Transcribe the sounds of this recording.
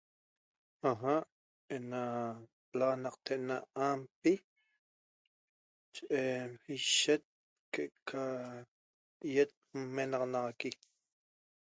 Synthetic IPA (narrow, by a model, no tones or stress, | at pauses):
aɦaʔ | ena | lanɑqt̪eʔnaampi | t͡ʃeʔeiʃet̪̚ | keʔʔkʰa | jet̪̚menɑqnɑʁɑki